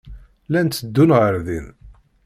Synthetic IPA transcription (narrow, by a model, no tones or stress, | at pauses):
lænt̪ːəd̪ːunʁəɾðin